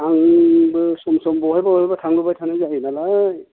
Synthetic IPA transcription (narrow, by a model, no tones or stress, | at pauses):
aŋbɯsɔmsɔmbɔɦajbaɔbatʰaŋbɯbajtʰanazaɦinalaj